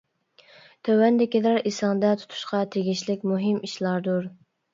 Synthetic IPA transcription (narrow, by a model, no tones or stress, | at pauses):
t̪ʰøwɛnd̪ɪkʲid̪ɑɾisɑŋd̪ɛt̪ʰu̥t̪ʰu̥ʃqɑt̪ʰeɡʲiʃlɪk̚ʲmuɦɪmiʃlˠɑɾd̪uɾ